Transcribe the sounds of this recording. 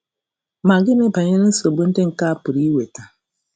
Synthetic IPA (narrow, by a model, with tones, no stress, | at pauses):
ma˨ɡɪ˦ne˦pa˨ɲe˦ne˦so˨bu˦n̩˦dɪ˦ŋ̩˨ka˦˨pʊ˨ɾi˦we˨ta˨